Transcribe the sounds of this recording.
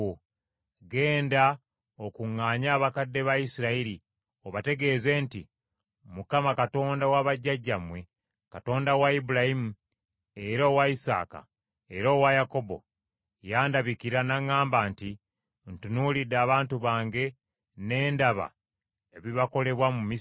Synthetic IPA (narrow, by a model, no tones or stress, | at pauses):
ɡe̞ːnda | okuŋːaːɲaːβakadːe̞βaisiɾaiɾi | oβate̞ɡe̞ːze̞ːnti | mukamakato̞ːndawaβaɟːaɟːamwe̞ | kato̞ːndawaibuɾahimu | e̞ɾoːwaisa̰ːka̰ | e̞ɾoːwajako̞bo̞̰ | jaːndaβikiɾanaŋːaːmbaːnti | ntunulidaːβaːntuβaːŋɡe̞ | ne̞ːndaβa̰ | e̞βiβako̞le̞βwamumi